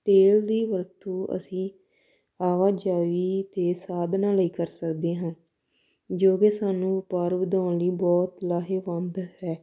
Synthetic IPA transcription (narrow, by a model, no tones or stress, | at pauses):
t̪eːld̪iːʋəɾt̪uːə̰sĩː | aːʋaːd͡ʒaːʋiːt̪eːsaːd̪nãːləiːkəɾsəkd̪eːɦãː | d͡ʒoːkeːsaːnũːɪpaːɾʋəd̪ãːnliːbɔːt̪laːɦeːʋənd̪hɛː